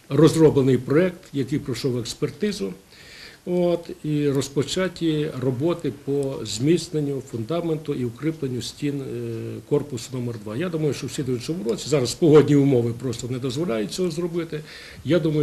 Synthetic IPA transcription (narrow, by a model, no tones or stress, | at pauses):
rɔzrɔblˠenɪjpɾɔɛkt̪jɐkɪjpɾɔʃɔwekspert̪ɪzʊ | ot̪irɔspɔt͡ʃatʲirɔbɔt̪ɪpɔzʲmʲisnenʲːʊfʊnd̪ɑment̪ʊʔiʊkɾɪplˠenʲːʊsʲtʲinkɔrpʊsʊnɔmɛrd̪ʋɑjad̪umɐjʊʃt͡ʃɔwsʲid̪ʊʋjʊt͡ʃ̪ʲɔmʊɾɔt͡sʲizɑɾɐspɔɦɔdʲnʲiʊmɔʋɪpɾɔst̪ɔnɛd̪ɔzʋɔlʲajʊt̚ʲt͡sʲɔɦɔzrɔbɪt̪ɪ | jad̪umɐj